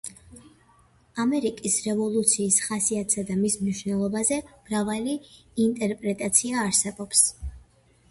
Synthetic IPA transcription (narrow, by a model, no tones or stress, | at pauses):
amɛɾikʼisɾɛvɔlˠut̪sʰiːsχasiat̪ʰsad̪amismniʃwnɛlˠɔbazɛmɾavaliːnt̪ʼɛɾpʼɾɛt̪ʼat̪sʰiaːɾsɛbɔps